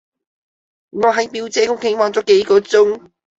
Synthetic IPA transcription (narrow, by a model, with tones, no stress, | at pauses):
ŋɔː˨˧ɦɐ˨˧jpiː˧wt͡sɛː˨˥kʊ˥ŋkɪ˨˥ŋwaː˨˧˩nt͡sɔː˨˥ke˨˧jkɔː˨˧t͡sʊ˥ŋ